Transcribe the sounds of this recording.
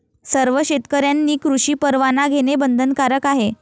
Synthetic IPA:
səɾʋəɕet̪kəɾjanːiːkɾuʂiːpəɾʋanaɡʱeɽebənd̪ʱənkaɾəkaɦe

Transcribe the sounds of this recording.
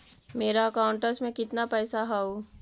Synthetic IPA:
meːɾaəkaʊɳʈəsmẽkɪt̪napɛːsaɦao

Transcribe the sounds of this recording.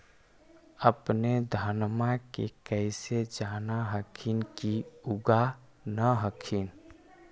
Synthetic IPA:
əpned̪ʱənmakekəɪsed͡ʒaːnaɦəkʰinkiuɡa | nəɦəkʰin

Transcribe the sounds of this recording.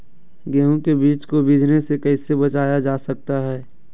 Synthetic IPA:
ɡɛːɦũkebiːt͡ʃkobid͡ʒnesekɐɪsebɐt͡ʃaːjad͡ʒaːsɐk̚t̪aɦɛː

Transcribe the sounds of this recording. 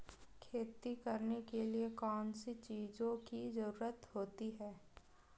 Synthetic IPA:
kʰeːt̪ikɐɾnekeliekɔːnsit͡ʃiːzõkizɐɾuːɾət̪hoːt̪iɦɛː

